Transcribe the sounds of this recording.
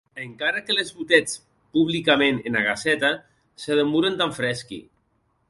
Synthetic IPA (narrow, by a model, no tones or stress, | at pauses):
eŋkaɾakelezβut̪ɛt͡s | puβlikamenenaɣasɛt̪a | seðemuɾent̪aɱfɾɛskḭ